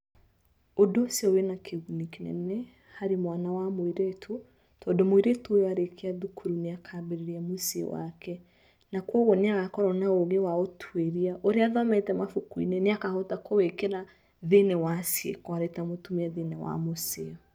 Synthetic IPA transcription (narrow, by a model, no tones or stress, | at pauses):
odosiɔwenakʰeɣunikenɛ̰nɛ | haɾimwanawamoiɾetʰo | tʰɔdomoiɾetoojaɾekʰeaðukʰuɾuneakʰabeɾeɾiamosḛwa̰kɛ | nakwɔɣɔneaɣakɔɾɔnaoɣewaotʰweɾiaʔoɾeaðɔmɛtɛmafukwḭneneakahotakowekeɾa | ðenɛwasjḛkɔaɾetamotumiaðenɛwa̰moseɔ